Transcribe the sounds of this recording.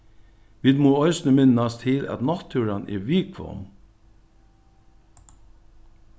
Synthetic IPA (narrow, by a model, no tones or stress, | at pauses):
ʋiːd̪moːœʏsnəmɪnɑst̪ʰɪlɑ̰t̪nɑt̪ʰʉːɾɑnʔḛːʋiːkʰʋɔ̰m